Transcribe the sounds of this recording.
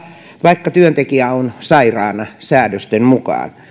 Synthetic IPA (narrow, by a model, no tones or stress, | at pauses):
ʋɑikːɑt̪yønt̪ekiæonsɑirɑːnɑsæːdøst̪emmukɑ̰ːn